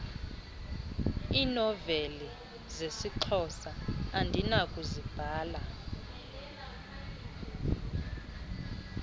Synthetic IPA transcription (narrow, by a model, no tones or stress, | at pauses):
iːnɔveli | zesiǃʰɔsaːndʱinakʼuzib̥ʱaːla